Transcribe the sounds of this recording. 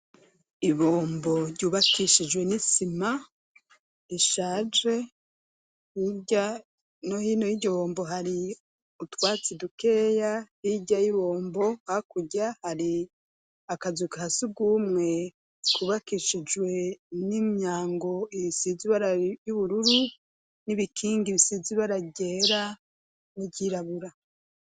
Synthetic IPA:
iβoːmbo̞ɾɟuːβakʰiʃid͡ʒwe̞nisima | iʃaːd͡ʒe | hiɟa | nohiːnojiɟoβoːmboɦaɾi | utwaːt͡sidukejahiɟajiβoːmbo̞hakuɟahaɾi | akazukahasuɡuːmŋe̞ | kʰuβakiʃid͡ʒwe̞nimɲaːŋɡo̞iβisiziβaɾajuβuɾuɾu | niβikʰiːŋɡiβisiziβaɾaɟeːɾa | niɟiɾaβuɾa

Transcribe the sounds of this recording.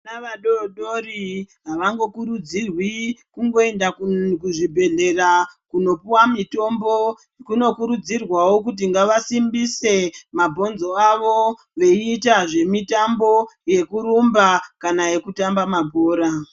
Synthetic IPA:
naʋaɗoɗoriɦaʋaŋɡo̞kuɾud͡zirwikuŋɡo̞e̞ndakuʐibʱe̞ɮe̞rakuno̞puwamito̞mbo̞ | kuno̞kuɾud͡zirwawo̞k̬ut̬iŋɡaʋasimbise̞mabʱo̞nzo̞aʋo̞ | ʋe̞iːtaʐe̞mitambo̞je̞kuɾumbakanaje̞kutambamabʱo̞ːɾa

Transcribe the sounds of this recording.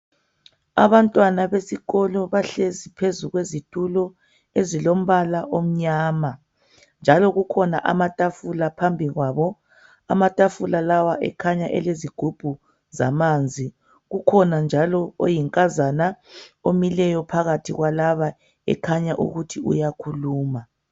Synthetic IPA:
a̰βantʼwanaβesiɣɔlɔβaɬezipʰezuɣwezitʼulɔ | ezilom̩βalaʔom̩ɲaːma | nd͡ʒʱalɔɣukʰɔna̰ʔamatʼafulapʰambʱiɣwaːβɔ | a̰matʼafulalawaʔɛ̰kʰaɲaʔɛleziɡ̥ʱub̥ʱu | za̰mand͡zʱi | ɣukʰɔnand͡ʒʱalɔo̰jiŋkʼazanaomilɛjɔpʰaɣatʰiɣwalaβa | ɛ̰kʰaɲaʔṵɣutʰiṵjakʰuluːma

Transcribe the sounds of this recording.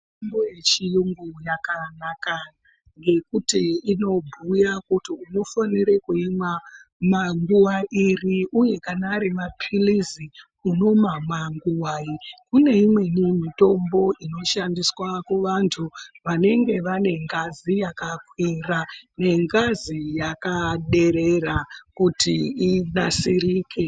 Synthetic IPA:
ombojet͡ʃijuŋɡujakanaka | ŋɡe̞kutiino̞bʱujakutiuno̞faniɾekuimamaŋɡuwaʔiriʔuje̞kanaɾimapʰilizi | uno̞mamaŋɡuwaikune̞imwe̞nimito̞mbo̞ʔino̞ʃandiswakuʋantʰuʋane̞ŋɡe̞ʋane̞ŋɡazijakakwerane̞ŋɡazijakaɗe̞ɾe̞rakutiinasiɾiːke̞

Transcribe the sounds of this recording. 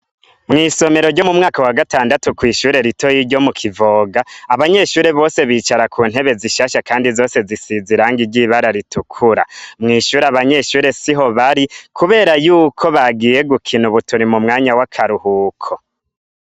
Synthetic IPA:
mŋiːso̞me̞ɾo̞ɾɟo̞mumŋaːkawaɡataːndatukwiːʃuːɾe̞ɾito̞jiɾɟo̞mukʰivo̞ːɡaaβaɲe̞ʃuːɾe̞βo̞ːse̞βiːt͡ʃaɾakʰuːn̥he̞βe̞ziʃaːʃakaːndizo̞ːse̞zisiziɾaːŋɡiɾɟiβaɾaɾitukʰuɾa̰mŋiːʃuːɾeaβaɲe̞ʃuːɾe̞siɦo̞βaɾikuβe̞ːɾajuːkʰo̞βaɡije̞ɡukʰinuβutuɾimumŋaːɲawakʰaɾuhuːkʰo

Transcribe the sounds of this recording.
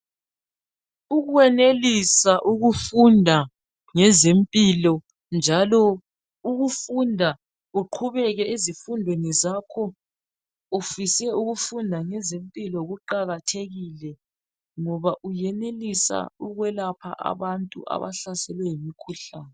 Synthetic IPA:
uɣuwɛnelisaʔuɣufundʱa | ŋɛzempʼilɔ | nd͡ʒʱalɔ | uɣufundʱa | uǃʰuβɛɣɛizifundʱwenizakʰɔ | ufisɛuɣufundʱaŋɛzempʼilɔɣuǃaɣatʰeɣilɛ | ŋɔβaʔujɛnelisa̰uɣwɛlapʰa̰ʔa̰βantʼṵʔa̰βa̰ɬasɛlwɛjimikʰuɬaːnɛ

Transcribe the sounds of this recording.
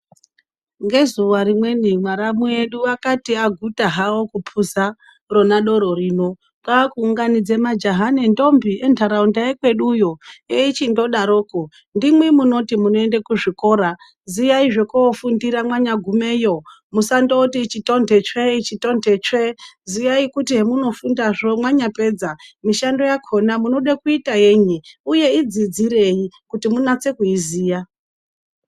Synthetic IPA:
ŋɡe̞zuʋarimwe̞nimwaɾamueɗuʋakatiaɡʱutaɦaokupʰuza | ro̞naɗo̞ɾo̞riːno̞ | kakuːŋɡanid͡zemad͡ʒaɦanendo̞mbiʔentʰaɾaundaekwe̞ɗujoeit͡ʃindo̞ɗaɾo̞ːko | ndimwimuno̞timunoendekuʐiko̞ːɾa | zijaiʐekuofundiɾamwaɲaɡʱumeːjo | musandotiːt͡ʃitondʱet͡ʃeit͡ʃitondet͡ʃezijaikutiɦemuno̞fundaʐomwaɲape̞d͡zamiʃando̞jakʰo̞namuno̞ɗakuitaje̞ɲiuje̞id͡zid͡ziɾe̞jikutimunat͡se̞kuiziːja

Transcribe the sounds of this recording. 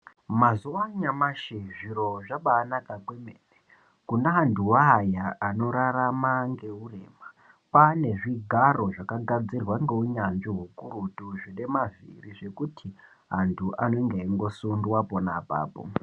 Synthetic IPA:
mazuwaɲamaʃeʐiro̞ʐaɓaːnakakwemeːne | kunaɦantʰuwaːjaano̞ɾaɾamaŋɡe̞ureːma | pane̞ʐiɡʱaro̞ʐakaɡʱad͡zirwaŋɡeuɲanʐiɦukuɾutuʐine̞mavḭriʐe̞kutʰi | ɦantʰuʔano̞ŋɡeiŋɡo̞sundwaponapa̰ːpo̰

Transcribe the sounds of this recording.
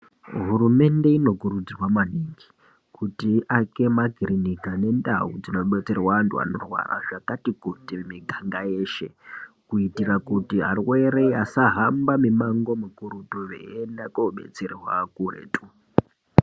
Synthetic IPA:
ɦuɾume̞nde̞ino̞kuɾud͡zrwamaniŋɡi | kʰutiʔake̞maɡʱiɾinikane̞nda̰ud͡zino̞ɓe̞t͡se̞rwaːntua̰no̞̰rwa̰ra̰ʐakatikutimiɡʱaŋɡaje̞ːʃe̞kuitirakutiɦa̰rwe̞ɾe̞jasaɦambamimaŋɡo̞mukuɾutuʋḛenakoɓe̞̰t͡serwakurḛːtu

